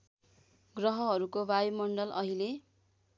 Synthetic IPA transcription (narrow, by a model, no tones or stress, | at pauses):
ɡrʌɦʌɦʌɾukowajmʌɳɖʌlʔʌɦile